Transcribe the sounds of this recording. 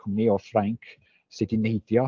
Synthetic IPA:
əmniɔfraŋkʰ | sɨdinejd̥jɔ

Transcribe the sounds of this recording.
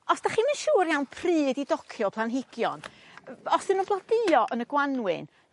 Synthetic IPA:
ɔsd̥aχiːmənʃuːɾjawnpʰriːdidɔkʰjɔpʰlˠanɦɪɡ̥jɔ̰n | ɔsɨnunblˠɔd̥ɨɔʔənəɡwanwɨ̰n

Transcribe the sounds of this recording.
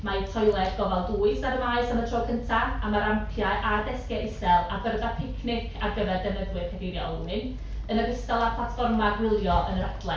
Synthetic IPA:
maitʰɔjlˠɛdɡɔvɛlˠduːɨsadəvaɨsamətʰroːkʰəntʰaamaɾampʰjaʔadɛskɛʔɪsɛlˠabərðapʰɪkʰnɪkʰaɡəvɛrdɛnəðwɨrkʰɛdiɾjɔɔ̰lˠnɨn | ənəɡɪstɛlˠapʰlˠatfɔrmarwɪlˠjɔʔənəɾadlˠɛ

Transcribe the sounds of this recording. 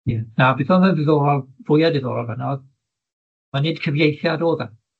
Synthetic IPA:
ɛnabɪθɔmənvɪðoːɾɔlˠvʊjadɪðo̰ːɾɔlˠvɛnɔð | manɨːd̥kʰəvjejθjadoːðɛm

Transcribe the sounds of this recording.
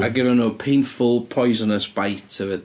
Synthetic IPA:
aɡənənoːpʰẽɪ̃nfəlˠpʰɔɪzənəsb̥aɪtʰəvɪ

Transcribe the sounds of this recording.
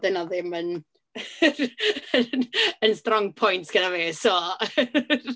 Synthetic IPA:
d̥ɪnɔðɪmən | əənstrɔŋpʰɔjntʰɡ̥ədaveːsoː

